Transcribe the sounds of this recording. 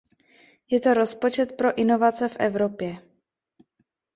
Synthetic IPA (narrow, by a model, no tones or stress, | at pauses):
jɛt̪o̞ɾo̞spo̞t͡ʃɛt̪pɾo̞ʔɪno̞vat͡sɛfʔɛ̰vɾopjɛ